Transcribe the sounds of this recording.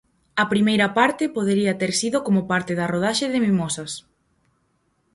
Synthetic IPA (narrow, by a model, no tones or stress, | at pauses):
ɐpɾimejɾɐpaɾt̪ɪpoð̞eɾiɐt̪eɾsiðokomopaɾt̪ɪðɐroð̞aʃeðɪmimosɐs